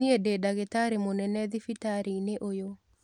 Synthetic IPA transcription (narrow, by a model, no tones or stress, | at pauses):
iededaɣetaɾimonɛnɛðifitaɾineʔojo